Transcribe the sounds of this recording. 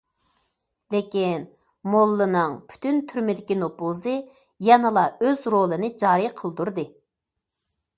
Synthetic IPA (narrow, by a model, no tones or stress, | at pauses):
lekʲin | molˠːɨnɨŋpʰy̥t̪ynt̪ʰyɾmɪd̪ɪkʲinopuzɨ | jɛnɨlˠɑøzɾolˠɨnɨd͡ʒɑːɾɨjqʰəlˠd̪uɾd̪ɨ